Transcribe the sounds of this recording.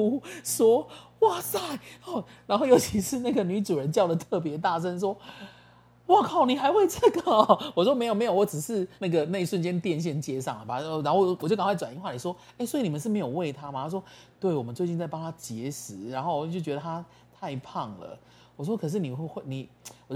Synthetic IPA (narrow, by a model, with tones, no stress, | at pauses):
u˥˧ʂwɔ˥wa˥˩sa˥˩ɪɔ˥˩ɻa˧˥nxo˥˩ʊjo˧˥ʊt͡ɕʰi˧˥ʂɻ̩˥˧na˥˩ɡə˩ny˧˥ʈ͡ʂu˨˩ɻə˧˦nt͡ɕjɑ˥˩ʊd̪ə˨˩t̪ʰɤ˥˩p̬jɛ˧˦t̪a˥˩ʂ̬ə˦nʂ̬wɔ˥ | wɔ˥˩kʰɑ˨˩ʊni˨˩xa˧˥ɪxwe˥˧ɪʈ͡ʂə˥˩ɡə˩˨˩wɔ˨˩ʂwɔ˥me˧˥ɪjme˧˥jo˨˩wɔ˧˦ʈ͡ʂɻ̩˨˩ʂɻ̩˥˧na˥˩ɡə˩na˥˧ɪi˧ʂwə˥˨nt͡ɕjɛ˦˥nt̪jɛ˥˧nɕ̬jɛ˥˩nt͡ɕjɛ˥ʂɑ˥˩ŋlə˨˩ba˨˩ɻa˧˥nxo˥˩wɔ˨˩t͡ɕjo˥˩kɑ˨˩kwɪwa˨˩ni˥˧xwa˥˩i˨˩ʂwɔ˥ | e˥˩ɪswɔ˧˥i˧˦ni˨˩ə˨˦ʂ̬ɻ̩˥˩me˧˥ɪjo˨˩we˥˩ɪt̪ʰa˦ma˨˩t̪ʰa˥ʂ̬wɔ˥t̪we˥˩ɪwɔ˨˩mə˦t͡swe˥˧ɪt͡ɕi˥˧t͡sa˥˩ɪpa˥ŋt̪ʰa˥t͡ɕjɛ˧˥ʂɻ̩˨˩˦ɻa˧˥nxo˥˩˨t͡ɕo˥˩t͡ɕɥɛ˧d̪ə˧˩t̪ʰa˦˥ | t̪ʰa˥˧ɪpʰɑ˥˩ŋlə̰˩ | wɔ˨˩ʂ̬wɔ˥kʰɤ˨˩ʂ̬ɻ̩˥˩ni˨˩xwe˥˧xwe˥˩ɪni˨˩˦wɔ˨˩t͡ɕ